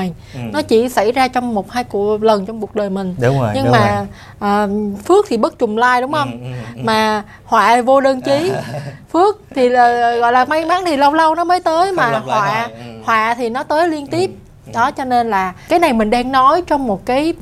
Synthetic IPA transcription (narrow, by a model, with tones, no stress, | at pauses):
j | nɔ˨˦t͡ɕḭ˧˩sa̰˧˩jzaː˧t͡ɕɔ˧wŋ͡mmo˨˩t̚haː˧jku˧˩ələ˨˩nt͡ɕɔ˧wŋ͡mku˨˩ək̚ɗəː˨˩jmï˨˩ŋ̟˧˨ɲɨ˧maː˨˩ | ʔəː˨˩fɨ˦˥ək̚t̪ʰi˨˩ɓə˦˥t̚t͡ɕʊ˨˩ŋ͡mlaː˧jɗʊ˨˦wŋ͡mhə˧wŋ͡mmaː˨˩ | hwa̰ː˧˨vo˧ɗəː˧nt͡ɕi˨˦fɨ˦˥ək̚t̪ʰiː˨˩˨ɣɔ̰˧˨jlaː˨˩ma˧jma˨˦ŋt̪ʰi˨˩lə˧wlə˧wnɔ˨˦məː˨˦jt̪əː˨˦jmaː˨˩hwa̰ː˧˨hwa̰ː˧˨t̪ʰi˨˩nɔ˨˦t̪əː˨˦jli˧ənt̪i˦˥əp̚ | ɗɔ˨˦t͡ɕɔ˧ne˧nlaː˨˩kaː˨˦jna˨˩jmï˨˩ŋ̟ɗɛ˧ŋnɔ˨˦jt͡ɕɔ˧wŋ͡mmo˨˩t̚kaː˨˦j